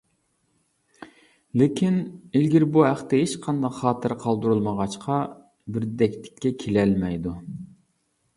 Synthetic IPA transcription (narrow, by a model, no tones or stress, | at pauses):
lɪkʲʰinɪlɡʲiɾbuɦæχt̪ɪɦet͡ʃqʰɑnd̪ɑqχɑːt̪ʰɨɾqʰɑlˠd̪uɾulˠməʁɑt͡ʃqʰɑ | bɪɾd̪ɛkʲlɪ̥kʲʰːɛkʲʰelɛlmɛjd̪u